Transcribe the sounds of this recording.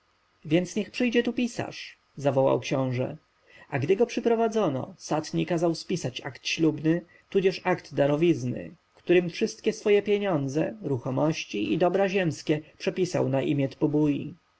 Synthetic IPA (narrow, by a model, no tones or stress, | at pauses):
vʲjɛnt̪sɲɛxpʂɘjd͡ʑɛt̪upʲisa̰ʂ | zavɔwa̰wkɕɔ̃w̃ʐɛ̰ | aɡd̪ɘɡɔpʂɘpɾɔvad̪zɔnɔ̰sat̪ɲikazawspʲisat͡ɕa̰kt̪ɕlubnɘ | t̪ud͡ʑɛʂakd̪ːaɾɔvʲiznɘ̰ | kt̪uɾɘmfʂɘst̪kʲɛsfɔjɛpʲjeɲɔ̃nd̪zɛɾuxɔmɔɕt͡ɕiid̪ɔbɾaʑɛmskʲɛpʂɛpʲisa̰wnaʔḭmʲjɛt̪pɔbuji